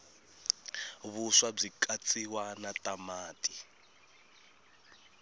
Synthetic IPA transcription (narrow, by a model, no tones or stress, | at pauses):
βuswab͡ʐikat͡sʼiwanatamaːtʼi